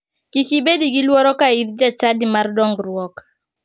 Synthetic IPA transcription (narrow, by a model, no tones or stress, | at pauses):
kikibediɡilwɔɾɔkaiðd͡ʒat͡ʃadimardɔŋɡɾwɔk